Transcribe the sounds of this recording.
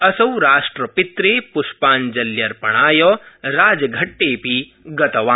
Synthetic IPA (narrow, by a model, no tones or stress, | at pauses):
ɐsɐwɾaːʂʈɾɐpit̪ɾeːpuʃpaːnd͡ʒɐljɐɾpɐɳ̃aːjɔːɾaːd͡ʒɐɡʱɐʈːeːpi | ɡɐt̪ɐʋaː